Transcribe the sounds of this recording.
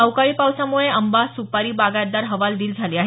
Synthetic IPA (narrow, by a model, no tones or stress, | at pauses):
awkaɭiːpawsamuɭeəmbasupaɾiːbaɡad̪aɾɦəʋald̪iːld͡zʱaliːaɦe